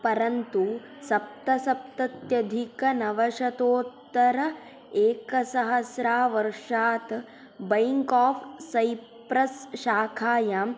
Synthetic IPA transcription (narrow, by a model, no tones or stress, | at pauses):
pɐɾɐnt̪u | sɐp̚t̪ɐsɐp̚t̪ɐt̪jɐd̪ʱikɐnɐʋɐʃɐt̪oːt̪ːɐɾɐ | eːkɐsɐɦɐsɾaːʋɐɾʂaːt̪ | bɐjŋkaːfʰsɐjpɾɐsʃaːkʰaːja